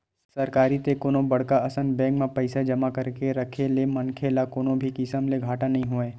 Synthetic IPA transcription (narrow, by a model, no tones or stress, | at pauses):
sɐɾkaːɾit̪ekoːnõbɐɽ̤kaɐsənbɛ̃ːkmẽpɐɪsad͡ʒɐmakɐɾkeɾɐkʰelemɐnkʰelakoːnõbʱikɪsəmleɡʱaːʈanɐɦĩɦoẽː